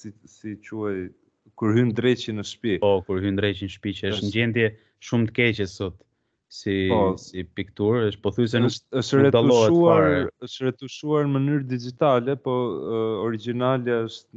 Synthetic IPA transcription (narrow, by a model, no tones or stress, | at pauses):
sisit͡ʃuaj | kuɾɦynd̪ɾɛt͡ʃinəʃpipɔkuɾhynd̪ɾɛt͡ʃinʃpit͡ʃɛəʃt̪nd͡ʑɛnd̪jɛ | ʃumt̪əkɛt͡ʃɛsɔt̪ | siɔsipikt̪uɾəʃt̪pɔθus̬ɛnəʃt̪ɾɛtd̪alˠɔɛt̪uaɾəʃt̪ɾɛt̪uʃuaɾmənyɾd̪id͡ʒit̪alɛpɔɔɾid͡ʒinalɛəʃt̪